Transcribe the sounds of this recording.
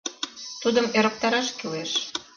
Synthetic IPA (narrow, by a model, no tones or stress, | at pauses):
t̪ud̪ə̆meɾə̆k̚t̪ɑɾɑʃkileʃ